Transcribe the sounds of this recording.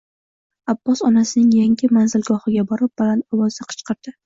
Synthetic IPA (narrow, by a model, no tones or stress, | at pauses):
abːɒsɒnasɪnɪŋjaŋʲɪmanzɪlɡɒhɪɡʲabɒɾɪp̚balant̪ɒwɒzd̪aqʰɨ̥t͡ʃqɨɾd̪̥ɪ